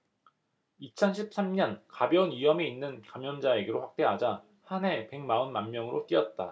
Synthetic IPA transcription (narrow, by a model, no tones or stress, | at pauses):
it͡ɕʰʌnɕʰip̚s͈amɲʌnkabjʌnɥijʌmeinːɯnkamjʌnd͡ʑaeɡiɾoɸwḁk̚t͈e̞ad͡ʑa | hane̞pe̞ŋmaɯnmanmjʌŋɯɾot͈iʌt̚t͈a